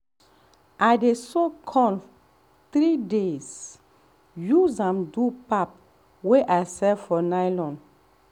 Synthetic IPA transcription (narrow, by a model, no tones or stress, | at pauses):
ʔajdesokʰɔ̃n | t̪ɾidez | juzãmdupap̚ | weʔajsɛfɔnajlɔ̃nd